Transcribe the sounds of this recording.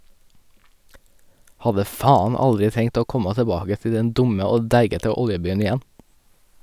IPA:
ˈhɑdə ˈfɑːɑn ˈɑldɾɪ ˈtɛŋt ˈoː ˈkɔmɑ təˈbɑːɡə ˈtɪ ˈdɛn ˈdʊmə ˈoː ˈdæɪɡətə ˈɔljəˌbyːən ɪˈjɛn

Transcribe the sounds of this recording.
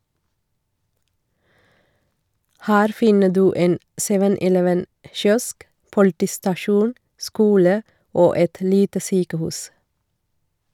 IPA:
ˈhæːɾ ˈfɪnə ˈdʉː ˈeːn ˈsɛʋən ʔɪˈlɛʋən ə ˈʃjɔsk pʊlˈtiːstɑˌʃuːn ˈskuːlə ˈoː ˈɛt ˈliːtə ˈsyːkəˌhʉːs

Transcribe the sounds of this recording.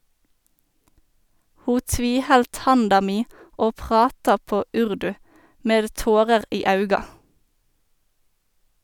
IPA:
ˈhuː ˈtʋiːˌhɛlt ˈhɑndɑ ˈmiː ˈoː ˈpʁɑːtɑ ˈpoː ˈʉʁdʉ ˈmeːd ˈtoːʁəʁ ˈiː ˈɑʉɡɑ

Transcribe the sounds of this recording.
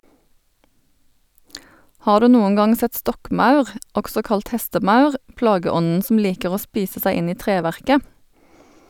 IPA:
ˈhɑːʁ ˈdʉː ˈnuːʊŋ ˈɡɑŋ ˈsɛt ˈstɔkˌmɑʉʁ ˈɔksɔ ˈkɑlt ˈhɛstəˌmɑʉʁ ˈplɑːɡəˌɔnn̩ sm̩ ˈliːkəʁ ˈoː ˈspiːsə ˈsæɪ ˈɪn ˈiː ˈtʁeːˌʋæʁkə

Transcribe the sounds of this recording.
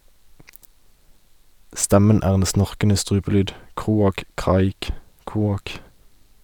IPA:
ˈstɛmən ˈæːʁ ˈeːn ˈsnɔʁkənə ˈstʁʉːpəˌlyːd ˈkʁuːɑk ˈkʁɑːɪk ˈkuːɑk

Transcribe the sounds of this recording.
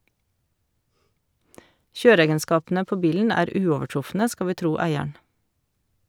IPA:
ˈçøːɾəˌeːɡənˌskɑːpn̩ə ˈpoː ˈbiːln̩ ˈæːɾ ˈʉːɔʋəˌʈɾʊfnə ˈskɑ ˈʋiː ˈtɾuː ˈæɪəɳ̩

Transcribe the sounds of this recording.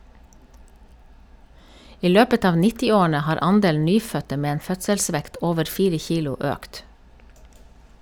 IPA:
ˈiː ˈløːpət ˈɑːʋ ˈnɪtɪˌoːɳ̩ə ˈhɑːɾ ˈʔɑnˌdeːln̩ ˈnyːfœtə ˈmeː ˈeːn ˈfœtsəlˌsʋɛkt ˈoːʋəɾ ˈfiːɾə ˈçiːlʊ ˈʔøːkt

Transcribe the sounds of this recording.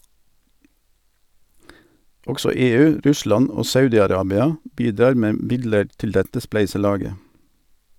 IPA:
ˈɔɡsɔ ˈeːˌʉː ˈɾʉˌslɑn ˈoː ˈsɑʉdɪɑˌɾɑːbɪɑ ˈbiːˌdɑːʁ ˈmeː ˈmɪdləʁ ˈtɪl ˈdɛtə ˈsplæɪsəˌlɑːɡə

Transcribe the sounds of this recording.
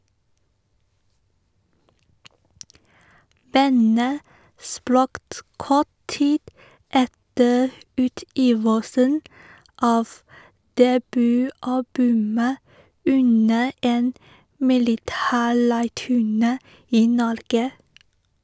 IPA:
ˈbɑnə ˈspɾɑkt ˈkɔt ˈtiːd ˈɛtə ˈʉːˌtiːʋəsən ˈɑːʋ dɛˈbyːˌɑbʉmə ˈʉnə ˈeːn mɪlɪˈtæːˌɭæɪʈʉˌɳeː ˈiː ˈnɔɾɡə

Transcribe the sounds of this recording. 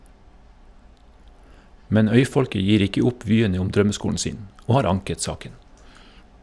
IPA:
ˈmɛn ˈœʏˌfɔlkə ˈjiːɾ ˈɪkə ˈʊp ˈʋyːəɲə ˈʊm ˈdɾœməˌskuːɳ̩ ˈsiːn ˈoː ˈhɑːɾ ˈɑŋkət ˈsɑːkən

